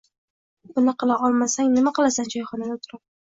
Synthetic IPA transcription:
b̥ʊnaqʰɨlˠaʔɒlˠmasaŋnɪmaqɑlˠasand͡ʒɒjχɒnad̪at̪ʰʊɾap̚

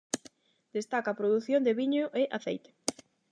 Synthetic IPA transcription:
d̪̥est̪akapɾoðuθjond̪eβiɲoʔeʔaθḛjt̪e̥

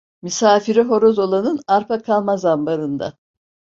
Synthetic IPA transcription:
mysaːfiɾiɦo̞ɾozo̞lˠanɯnaɾpʰakʰalˠmazambaɾɯnd̪a̰

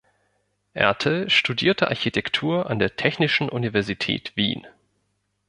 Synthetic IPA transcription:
ʔɛ̰ɐtʰlʃtudḭːɐtʰəʔa̰ɐçitʰɛktʰuːɐʔandeːɐtʰɛçnɪʃn̩ʔunivɛɐzitʰɛ̰ːtv̥ḭːn

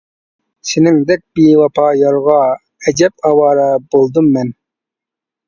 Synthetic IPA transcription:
sɪnɪŋd̪ɛk̚ʲbiwɑpʰɑjɑɾʁɑ | ɛd͡ʒɛp̚ɑwɑːɾɑb̥olˠd̪umːɛn

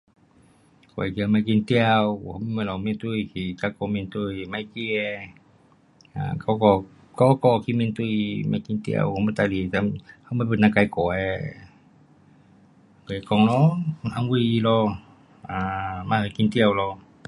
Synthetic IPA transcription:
koɛ̰kiamakint̪iawhɔmimalɔmint̪uikikakɔmint̪uimaikiɛ | a̰kakɔ | kɔkɔkimint̪uimakint̪ḭa̰whmɛt̪alit̪amhaməbənakaikɔɛ | koɛkɔŋlɔaŋuiilɔ | amaakint̪iawlɔ

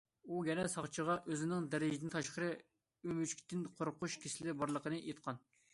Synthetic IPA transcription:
ujʲɛnɛsɑχt͡ʃʰəʁɑʔøzɪnɪŋd̪æɾɪd͡ʒɪd̪ɪnt̪ʰɑʃqəɾɨ | ymyt͡ʃkʲi̥t̪ʰːɪnqʰoɾqʊʃkʲʰesɪlɪbɑɾlˠəqənɨʔet̪̚qʰɑn

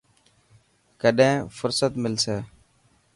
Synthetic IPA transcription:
kəɗẽːfʊɾsət̪mɪlseː

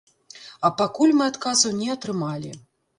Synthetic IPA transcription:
ɐpakulʲmɨat̪kazɐwnʲɛɐt̪ɾɨmalʲḭ

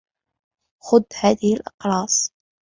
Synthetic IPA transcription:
xʊd̪ːhæðilʔɑqɾˤɑsˤ

